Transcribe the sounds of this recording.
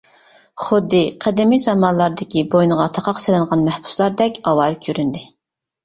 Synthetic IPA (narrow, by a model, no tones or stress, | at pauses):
χʊd̪ːɨqʰɛd̪ɪmizɑmɑnlˠɑɾd̪ɪkʲʰibojnɨʁɑt̪ʰɑqʰɑqsɪlɪnʁɑnmɛhbu̥slˠɑɾd̪ɛkʲɑwɑːɾkʲʰøɾynd̪ɪ